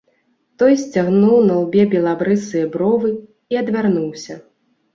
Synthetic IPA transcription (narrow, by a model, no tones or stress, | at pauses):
t̪ɔjsʲt͡sʲaɣnuwnɐlˠbʲɛbʲɛlˠabɾɨsɨjɛbɾɔvɨ | iɐd̪vʲarnuwsʲɐ